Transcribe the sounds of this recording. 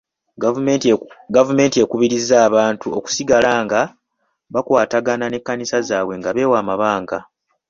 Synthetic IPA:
ɡavume̞ːntie̞kuβiɾizːaːβaːntuoku̥siɡalaːŋɡa | βakwaːtaɡanane̞kːanisazaːwe̞ŋɡaβe̞ːwaːmaβaːŋɡa

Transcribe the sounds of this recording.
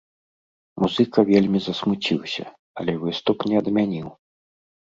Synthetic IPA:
muzɨkɐvʲelʲmʲizɐsmut͡sʲiwsʲɐ̰ | ɐ̰lʲɛvɨst̪upnʲɛɐd̪mʲanʲiw

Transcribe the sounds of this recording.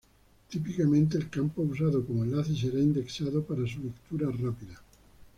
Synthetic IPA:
t̪ipikamẽnt̪̬eːlkampous̬aðokomoelaθis̬eɾaind̪eksaðopaɾas̬ulekt̪uɾarapiða

